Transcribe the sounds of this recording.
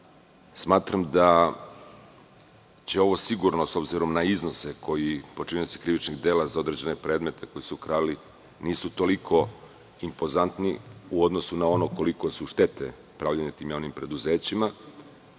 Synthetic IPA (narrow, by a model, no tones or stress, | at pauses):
smaːt̪ɾamd̪a | t͡ɕe̞o̞ʋo̞siɡuɾnoso̞bziɾo̞mnaizno̞seko̞jipo̞t͡ʃinisi̥kɾiʋit͡ʃniɣd̪e̞ːlazao̞d̪ɾed͡ʑe̞ne̞pɾe̞ːd̪me̞t̪e̞ko̞jisukɾaːili | niːsut̪o̞likʰo̞ | impo̞zant̪niuod̪nosunao̞no̞ko̞likosuʃt̪e̞t̪e̞̰ | pɾaʋʎaɲet̪iːmjaːʋnimpɾe̞d̪uze̞ːt͡ɕima